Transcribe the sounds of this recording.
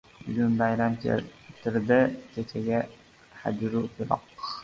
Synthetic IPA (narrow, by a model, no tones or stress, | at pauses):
bʊɡʲʊnbajɾamkʲʰḛlt̪ʰɪɾd̪ɪkʲʰet͡ʃʰaɡʲa | ha̰d͡ʒɾukɪɾɒ̰q